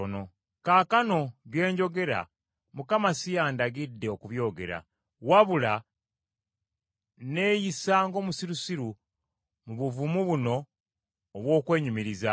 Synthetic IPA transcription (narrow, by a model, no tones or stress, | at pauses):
no | kaːkano̞βje̞ːɲɟo̞ɡe̞ɾa̰ | mukamasijaːndaɡidːe̞okuβjo̞ːɡe̞ɾa̰ | waβula | ne̞ːjisaːŋɡo̞ːmusiɾusiɾu | muβuvumuβuno̞ː | βwo̞ːkwe̞ːɲumiɾiza